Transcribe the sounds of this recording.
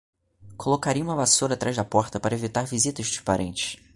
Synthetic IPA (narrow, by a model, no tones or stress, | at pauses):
kʰolokaɾijũmɐvasoɾɐat̪ɾʔaʒd̪ɐpɔɾt̪ɐpaɾɐevit̪aɾvizit̪ɐʃd͡ʒi̥ʃpaɾʔḛ̃nt͡ʃɪ̥ʃ